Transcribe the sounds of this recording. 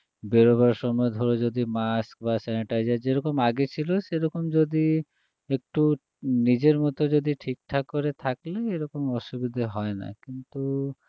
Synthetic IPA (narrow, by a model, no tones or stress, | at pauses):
beɾoβaɾʃɔmɔed̪ʱoɾod͡ʑod̪imask̚basɛniʈajd͡ʑaɾd͡ʑeɾɔkomaɡet͡ɕʰiloʃeɾɔkomd͡ʑod̪i | ek̚ʈu | nid͡ʑeɾmɔt̪od͡ʑod̪iʈʰik̚ʈʰakoɾet̪ʰakleeɾɔkomɔʃubid̪ʱaɦɔena̰kint̪u